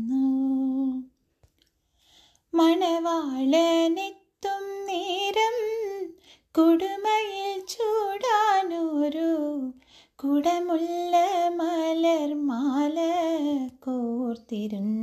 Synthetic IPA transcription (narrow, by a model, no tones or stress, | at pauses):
nːu | mɐɳɐʋaːɭɐnit̪ːumniɾɐm | kuɽumɐjilt͡ɕuːɽaːnoɾu | kuɽɐmulːɐmɐlɐɾmaːlɐkort̪iɾun